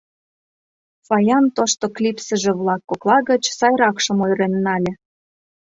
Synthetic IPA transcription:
fɑjɑnt̪oʃt̪oklʲipsə̆ʒĕβlɑkːoklˠɑɣə̆t͡ɕsɑjɾɑkʃə̆mojɾenːɑlʲĕ

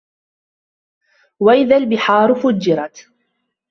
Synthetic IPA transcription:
waʔɪðaːlbɪħɑːɾfʊd͡ʒːɪɾˤɑt̪

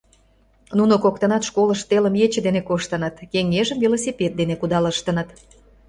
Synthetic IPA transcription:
nunokok̚t̪ənɑt̪ʃkoləʃt̪eləmjet͡ɕə̆d̪enekoʃt̪ə̆nət̪keŋːeʒəmvʲilosʲipʲet̪̚d̪enekud̪ɑləʃt̪ənət̪

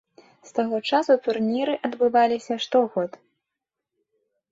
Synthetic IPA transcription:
st̪aɣɔt͡ʂasut̪urnʲiɾɨʔɐd̪bɨvalʲisʲɐʂt̪ɔɣɔt̪

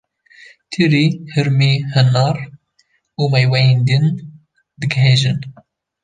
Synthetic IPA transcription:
t̪ʰiɾiːhɨɾmiːhɨnɑːɾ | uːmɛjwɛjeːnd̪ɨn | d̪ɨɡɦeːʒɨn

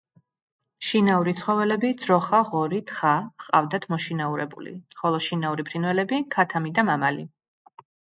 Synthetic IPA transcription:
ʃinauɾit̪sʰχɔvɛlɛbid̪z̥ɾɔχaʁɔɾit̪ʰχaχqʼa̰vd̪at̪ʰmɔʃinauɾɛbṵlḭχɔlˠɔʃinauɾipʰɾinvɛlɛbikʰat̪ʰamid̪amamali

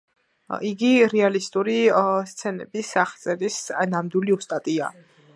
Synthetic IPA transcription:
iɡiɾɛalist̪ʼuɾist̪sʰɛnɛ̰bisaχt̪sʼɛɾisnamd̪wiliust̪ʼat̪ʼia̰

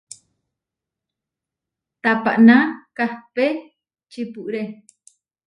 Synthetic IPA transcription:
t̪apa̰ʔnakahpe | t͡ʃipuʔɾe

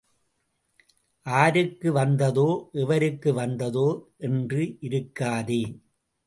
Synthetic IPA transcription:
ʔaːɾɯkːɯʋɐnd̪ɐðoːʔɛʋɐɾɯkːɯʋɐnd̪ɐðoːʔɛndrɯʔɪɾɯkːaːðeː

